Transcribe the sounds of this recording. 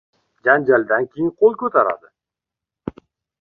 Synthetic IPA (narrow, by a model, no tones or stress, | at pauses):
d͡ʒand͡ʒald̪ankʲʰejɪnqʰolˠkʲɵt̪ʰaɾa̰d̪ɪ